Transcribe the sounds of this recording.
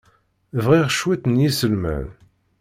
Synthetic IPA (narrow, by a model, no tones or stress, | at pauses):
vʁiʁʃwæt̪njisəlmæ̰n